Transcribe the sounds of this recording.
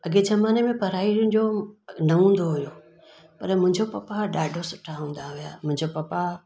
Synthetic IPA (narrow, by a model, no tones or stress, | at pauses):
ɐɡezɐmaːnemẽpɐɾaːiɾənd͡ʑonɐɦũːn̆d̪oɦʊjo | pɐɾmʊ̃ɦɪ̃ɲd͡ʑopɐpaɗaːɖʱosʊʈʰaɦũːn̆d̪aɦʊjamʊ̃ɦɪ̃ɲd͡ʑopɐpa